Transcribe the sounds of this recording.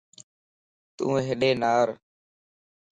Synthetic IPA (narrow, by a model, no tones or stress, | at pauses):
t̪ṵ̃ːɦeɗeːnaːɾ